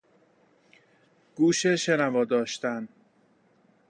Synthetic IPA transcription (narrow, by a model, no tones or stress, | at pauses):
ɡ̥uːʃeʃenævɒːd̪ɒːʃt̪æn